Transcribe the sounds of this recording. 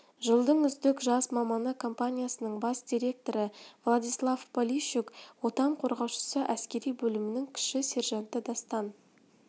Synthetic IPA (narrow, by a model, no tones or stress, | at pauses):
ʒəlˠd̪əɴʏzd̪ɪkʒɑsmɑmɑnəkʰo̞mpanʲijasənəɴbɑsd̪̥ʲijɾe̞k̚t̪o̞ɾəvlˠad̪ijslˠavpolʲiʃukwo̞t̪ɑɴqʰo̞ɾʁɑwʃə̥səʔæskʲe̞ɾijbɵlɪmɪnɪŋkʲʰɪ̥ʃɪsʲe̞ɾʒɑnt̪əd̪ɑst̪ɑn